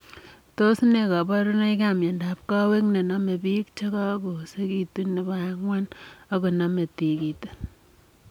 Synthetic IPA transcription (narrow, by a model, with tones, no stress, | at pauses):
to˦sne˨ka˨ba˦ɾu˦na˦i˦k̬a˦˨mje˨nda˨p̚ka˦we˦kne˨na˦me˨pi˦k̚t͡ʃe˦ka˦ko˨se˦ki˦tu˦nːe˨ba˦ŋwa˦na˦ko˨na˦me˨ti˨ki˨te̥˨